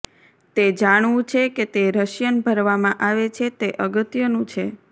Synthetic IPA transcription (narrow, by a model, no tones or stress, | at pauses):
t̪ed͡ʒaɽ̃ʋũt͡ʃʰeket̪eɾəʃjənbʱəɾʋamãʔaʋet͡ʃʰet̪eʔəɡət̪jənũt͡ʃʰe